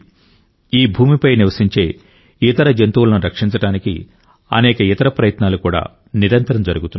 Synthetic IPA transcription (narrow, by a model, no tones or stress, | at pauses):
iːbʱuːmipɐjniʋɐsiɲt͡ʃe̞ː | it̪ɐɾɐd͡ʒɐnt̪ulɐnuɾɐkʂiɲt͡ʃɐʈaːnikḭ | ɐ̰nɛːkɐit̪ɐɾɐpɾɐjɐt̪naːlukuːɽa̰ː | niɾɐnt̪ɐɾɐmd͡ʒɐɾuɡut̪unː